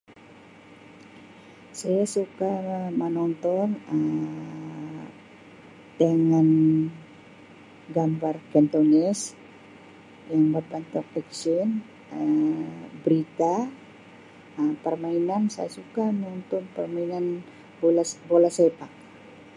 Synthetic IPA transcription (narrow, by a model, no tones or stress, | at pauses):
sajasukamənɔnt̪ɔnə | t̪əŋan | ɡambarkɛnt̪onɛs | jaŋbapant̪ɔk̚ɛksɔn | ə | bɾit̪a | əpərmainansa̰jasukamɔnt̪ɔnpərmainan | bolasɛpak̚